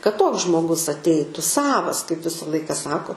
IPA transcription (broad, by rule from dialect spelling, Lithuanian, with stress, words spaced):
kɐt ˈtoːks ʒmoːˈɡʊs ɐtʲˈɛɪtʊ ˈsɑːʋɐs kɐɪp ˈʋʲɪsɐ ˈlˠɐɪkɐ ˈsɑːkoː